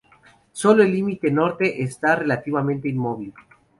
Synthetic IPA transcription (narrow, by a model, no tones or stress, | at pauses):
so̞loelːimit̪eno̞ɾt̪e̞ʔest̪are̞lat̪iβamẽ̞nt̪einmo̞β̞il